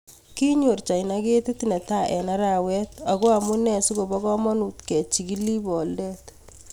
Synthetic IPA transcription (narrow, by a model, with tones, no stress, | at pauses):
ki˦ɲo˨ɾt͡ʃa˨jna˦ɡe˦te˦tinɛ˨ta˦ʔɛ˨na˦ɾa˨wɛ˦ta˨ɡo˦a˨mu˦nɛ˨su˦ɡo˨bɔ˦ɡɔ˦mɔ˦nu˨tkɛ˨t͡ʃi˨ɡi˦li˦bɔ˨ldɛt